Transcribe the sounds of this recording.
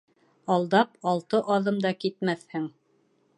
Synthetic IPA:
ɑlˠd̪ɑpɑlˠt̪ɤʔɑðɤmd̪ɑkit̪mæθhɘŋ

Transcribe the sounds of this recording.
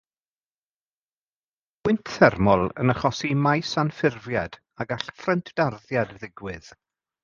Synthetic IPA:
wɪntʰθɛrmɔlˠə̰nəχɔsimajsanfɪrvjad̥ | aɡaɬfrəntʰd̥arðjadðɪɡwɪð

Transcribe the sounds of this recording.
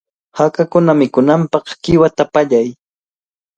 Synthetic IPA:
hakakʊnamɪkʊnampɑχkɪwat̪apaʎaj

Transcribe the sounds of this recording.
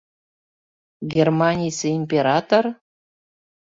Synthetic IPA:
ɡʲermɑnʲijseimʲpʲeɾɑt̪or

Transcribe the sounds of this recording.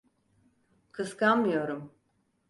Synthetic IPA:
kʰɯskanmɯjo̞ɾum

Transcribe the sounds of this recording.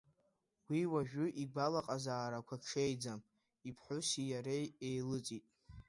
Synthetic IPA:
wiwaʒᶣʊʔiɡalaqʼazaːɾakʷʰaʈ͡ʂʰejd͡zam | ipʰħʷʊsijaɾejejlɨt͡sʼitʼ

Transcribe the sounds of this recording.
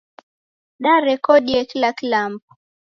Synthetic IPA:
ɗaɾɛkɔɗijakilakilam̩p̚u̥

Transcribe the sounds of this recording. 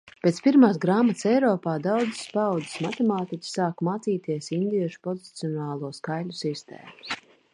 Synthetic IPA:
pʲeːt̪spiɾmaːsɡɾaːmat̪sɛjɾɔːpaːd̪awd̪z̥spawd̪zi̥smat̪emaːt̪ikʲi̥saːkmaːt̪siːt̪iɛsind̪iɛʃu̥pɔzit̪siɔnaːlˠuɔskajlʲusist̪ḛːmus

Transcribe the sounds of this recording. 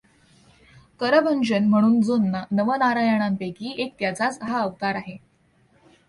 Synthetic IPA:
kəɾəbʱənd͡ʑənm̤əɽ̃uːnd͡zonːanəʋənaɾajaɽ̃ampekiːek̚t̪jat͡sat͡sɦaəʋk̪aɾaɦe

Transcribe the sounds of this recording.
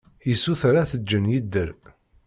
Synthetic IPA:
jəsːuθɾaθəd͡ʒːənjid̪ːəɾ

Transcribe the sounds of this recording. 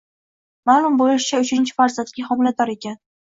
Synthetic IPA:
maːlˠʊmbolɪʃɪ̥t͡ʃʰaʊt͡ʃʰɪnt͡ʃʰɪ̥faɾzant̪̚ɡʲahɒmɪlad̪ɒɾe̞kʲan

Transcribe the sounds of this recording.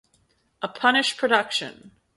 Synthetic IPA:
ʔəpʰʌnɨʃpʰɹ̥ɨdʌkʃɨ̰̃n

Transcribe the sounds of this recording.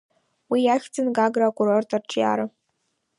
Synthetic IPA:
wijaχʲt͡sʰʼɨnɡaɡrakʼurortʼarʈ͡ʂʰʼja̰ɾɨ

